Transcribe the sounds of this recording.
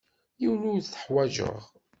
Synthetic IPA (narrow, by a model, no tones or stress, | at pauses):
juluθə̥ħwæʒə̰ʁ